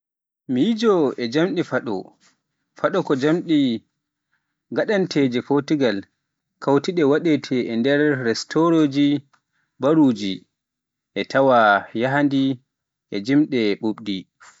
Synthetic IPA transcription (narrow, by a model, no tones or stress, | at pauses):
mijid͡ʒɔɛd͡ʒamɗifaɗɔ̰ | faɗɔkɔd͡ʒamɗi | ɡaɗantʰed͡ʒɛfotiɡal | kawtiɗɛwaɗɛtʰɛɛndɛɾːɛstoɾoːd͡ʒi | baɾud͡ʒi | ʔɛtawajaɦandi | ʔɛd͡ʒimɗɛɓuɓdi